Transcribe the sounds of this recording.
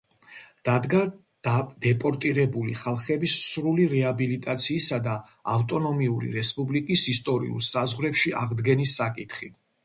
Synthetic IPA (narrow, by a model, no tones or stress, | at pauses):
d̪̥ad̪ɡḁ | d̪̥ɛpʼɔɾt̪ʼiɾɛbulḭχalˠχɛbisːɾuliɾɛabilit̪ʼat̪sʰiːsad̪a | aft̪ʼɔnɔmiuɾḭɾɛspʼublikʼisist̪ʼɔɾḭṵlˠsazʁɾɛpʃia̰ʁd̪ɡɛnisːakʼit̪ʰχi